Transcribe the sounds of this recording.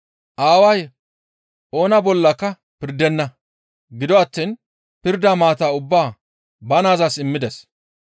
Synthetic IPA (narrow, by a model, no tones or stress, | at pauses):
ʔaːwɐj | ʔo̞ːnɐbɔlːɐkːɐ | pɪɾd̪ɛnːɐ | ɡɪd̪ɔɐt̪ːiːn | pɪɾd̪aːmaːt̪aːʊbːaː | bɐnaːzasɪmːɪd̪ɛs